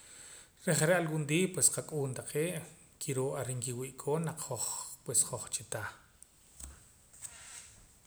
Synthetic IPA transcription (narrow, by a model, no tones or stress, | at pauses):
ɾeχɾaʔalwund̪iːpwesqakʼuːnt̪aqeːʔ | kʰiɾoʔaɾiŋkiwiːʔkʰoːnaq͡χχoχpwesχoχt͡ʃit̪aː